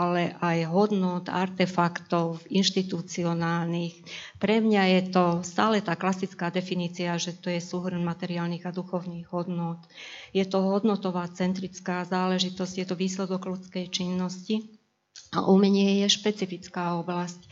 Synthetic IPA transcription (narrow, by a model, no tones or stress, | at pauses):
alɛʔajɦɔd̪nʊɔt̪a̰ɾt̪ɛfakt̪ɔʊinʃt̪it̪ut͡siɔnaːlnixpɾɛmɲajɛt̪ɔst̪aːlɛt̪aːklasit͡skaːd̪ɛfiniːt͡siaʒɛt̪ɔjɛsuɦr̩nmat̪ɛɾiaːlniɣad̪uxɔʊniːɣɦɔd̪nʊɔt̪jɛt̪ɔɦɔd̪nɔt̪ɔʋaːt͡sɛnt̪ɾit͡skaːzaːlɛʒit̪ɔszcjɛt̪ɔʋiːslɛd̪ɔɡlut͡skɛjt͡ʃinːɔsci | a̰ʔumɛɲɪɛjɛʃpɛt͡sifit͡skaːɔblasc̚